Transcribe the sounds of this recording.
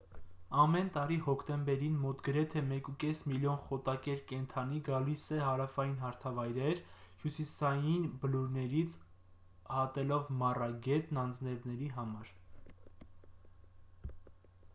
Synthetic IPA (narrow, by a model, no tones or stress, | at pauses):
ɑmɛnt̪ɑɾihɔkʰt̪ɛmbɛɾinmɔt̪ɡəɾɛt̪ʰɛmɛkukɛsmiljɔnχɔt̪ɑkɛɾkɛnt̪ʰɑniɡɑlisɛɦɑɾɑfɑjinɦɑɾt̪ʰɑvɑjɾɛɾhjusisɑjinbəluɾnɛɾit͡sʰ | hɑt̪ɛlɔvmɑrɑɡɛt̪nɑnd͡znɛvnɛɾiɦɑmɑɾ